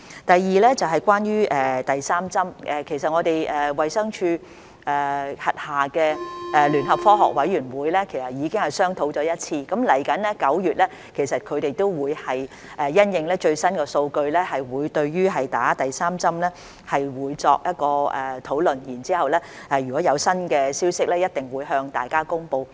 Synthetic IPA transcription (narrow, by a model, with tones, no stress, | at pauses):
t̪ɐ˨jːiː˨lɛː˥t͡sɐ˨wɦɐ˨˩jkʷwaː˥njyː˥ʔɛː˨˩t̪ɐ˨jsaː˥mt͡sɐ˥mʔɛː˨kʰe˨˩jsɐ˨t̚ŋɔː˨˧t̪e˨jʔɛː˨˩wɐ˨jsɐ˥ŋt͡ʃʰyː˧ | ɛː˨hɐ˨t̚haː˨kɛː˧ʔɛː˨˧lyː˨˩nɦɐ˨p̚fɔː˥ɦɔ̰ː˨k̚wɐ˨˥jɥyː˨˩nwuː˨˧jlɛː˥kʰe˨˩jsɐ˨t̚jiː˨˧kɪ˥ŋhɐ˨jsœː˥ŋt̪ʰo˨˥wt͡ʃɔː˨˥jɐ˥t̚t͡sʰiː˧kɐ˨˥mlɐ˨˩jkɐ˨˥nlɛː˥kɐ˨˥wjyː˨t̚lɛː˥ | kʰe˨˩jsɐ˨t̚kʰɵ˨˧ɥt̪e˨jt̪o˥wwuː˨˧jhɐ˨j | ʔɛː˨jɐ˥njɪ˧ŋlɛː˥t͡ʃɵ˧ɥsɐ˥nkɛ˧so˧wkɵ˧ɥlɛː˥hɐ˨jwuː˨˧jt̪ɵ˧ɥɥyː˥ɦɐ˨jt̪a̰ː˨˥t̪ɐ˨jsaː˥mt͡sɐ˥mlɛː˥ | hɐ˨jwuː˨˧jt͡sɔː˧k̚jɐ˥t̚kɔː˧ɛː˨t̪ʰo˨˥wlɵ˨njiː˨˩nt͡siː˥hɐ˨wlɛː˥ʔɛ˨jy˨˩kɔ˨˥jɐ˨˧wsɐ˥nkɛː˧siː˥wsɪ˥k̚lɛː˥jɐ˥t̚t̪ɪ˨ŋwuː˨˧jɦœː˧ŋt̪a̰ː˨jkaː˥kʊ˥ŋpo˧w